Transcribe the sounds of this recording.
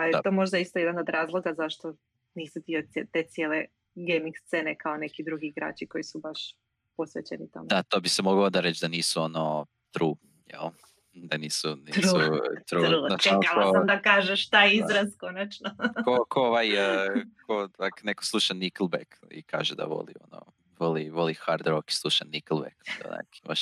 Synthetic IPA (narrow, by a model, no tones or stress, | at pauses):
pajet̪o̞ːmo̞ʒd̪aist̪ojed̪ano̞d̪ɾaːzlˠo̞ɡazaʃt̪o̞ | niːsit̪ioet̪e̞t̪sjeːle | ɡemiŋɡst̪sene̞kaonekid̪ɾuɡiːɡɾa̰ːt͡ɕiko̞jisubaʃ | po̞sʋet͡ɕḛnit̪a̰md̪at̪obisemoɡood̪aɾet͡ʃd̪aniːsuono | t̪ɾuː | jḛl | d̪aniːsuniut̪ɾuːunat͡ʃalkaoamd̪akaːʒeʃt̪ajizɾaskonat͡ʃnokokooʋaj | kʰoakneko̥slˠuʃanikl̩ˠbekḭka̰ːʒed̪a̰ʋo̰lḭo̰no̰ | ʋoliʋo̞lixaɾd̪ɾoki̥slˠuʃaniklˠbekɛo̰na̰kʰi̥ba̰ʃ